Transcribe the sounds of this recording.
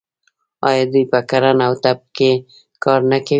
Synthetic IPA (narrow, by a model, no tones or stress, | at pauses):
ɑ̰jɑd̪ujpəkaɾanawt̪ab̚ke | kɑɾnakaw